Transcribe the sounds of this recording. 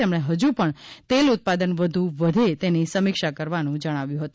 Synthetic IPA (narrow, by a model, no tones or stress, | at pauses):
emɽ̃eɦəd͡ʒupəɳt̪elʊt̪̚pad̪ənʋəd̪ʱuʋəd̪ʱet̪enisəmɪkʃakəɾʋanũd͡ʒəɽ̃aʋjũɦət̪ũ